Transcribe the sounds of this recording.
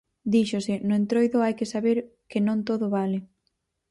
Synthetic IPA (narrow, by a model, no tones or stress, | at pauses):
d̪iʃʊsɪnʊent̪ɾojðʊajkɪsaβeɾ | kɪnõŋt̪oðʊβalɪ